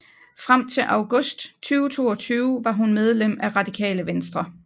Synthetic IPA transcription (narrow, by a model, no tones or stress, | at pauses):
fʁam̰t͡sʰe̝ʔɑ̈ʊɡ̥ɔ̽sd̥t͡sʰyːʊt͡sʰo̝̰ːɒt͡sʰyːʊʋɑ̈ɦunmeð̞ˠlem̰æʁɑ̈d̥ikʰɛ̰ːləʋensd̥ʁɐ